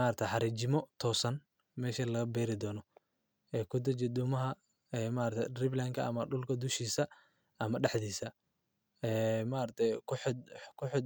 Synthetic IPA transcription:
aɾɐt̪ʰjħɑɾɛːt͡ʃɪmɔt̪ʰɔːsɐn | mɛːʃɐlɐɐbɛːɾɪd̪ɔːnɔ | ʔɛːkʰʊd̪ɐt͡ʃɛd̪ʊmɐɦɐ | ɛːmaːɾɐt̪ʰɛrɪblaŋkʰɐ̰ʔɐ̰mɐɖʊlkʰɐd̪ʊʃiːsɐ | ʔɐmɐɖɛħd̪iːsɐ | ɛːmaɾɐt̪ʰɛkʰħkʰʊħɔd̪

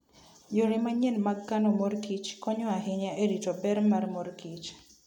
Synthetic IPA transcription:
ɲoɾimaɲɛlmaɡːanomorkit͡ʃkɔɲɔaɦɪɲaʔeɾitɔbɛɾmarmorkit͡ʃ

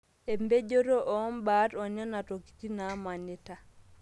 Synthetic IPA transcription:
ɛmbed͡ʒɔɾɔʔɔnbatɔɲɔnatoki̥tinamanɛta

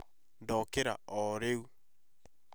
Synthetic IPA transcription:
ndɔkeɾa̰ɔɾeu

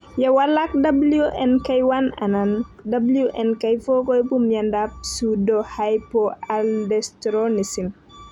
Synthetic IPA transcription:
jɛwɐlak̚dɐbuljuʔɛnkɐjwana̰nandabuljuʔɛnkɐjfɔkɔjpumjɐndap̚sudɔhajpɔaldɛstɾɔnisin

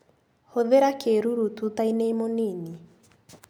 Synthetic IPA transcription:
hoðeɾakeɾuɾutut̪aineimonini

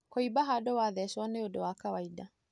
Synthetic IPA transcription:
kɔibaɦadɔwaðɛsɔnɛjodɔwakawaida

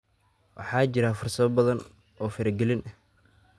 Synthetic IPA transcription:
wʔɑ̰ħɑːt͡ʃɪɾafʊrsɐβɔbɐðɐn | ɔːfɐɾɛɡɛlɪnʔɐh

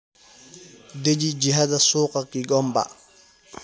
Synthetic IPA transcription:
ded͡ʒid͡ʒiɦadasuːqakiɡɔmba̰

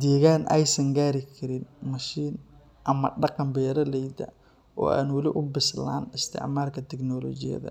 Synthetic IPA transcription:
d̪ɛːɣaːnʔɛjsɐŋɡaːɾɪkʰɐɾɪnmɐʃiːn | ʔɐmɐɖɑqɑmbɛːɾɐlɛjd̪ɐ̰ | ʔɔ̰ːʔa̰ːnwɐlɪʔʊbɪsla̰ːnɪst̪ʰɪ̰ʕmaːrkʰɐt̪ʰɛknɔːlɔːt͡ʃɪjɐ̰ðɐ̰

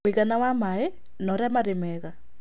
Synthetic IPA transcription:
eɣanawamae | nɔɾamaɾemɛɣa

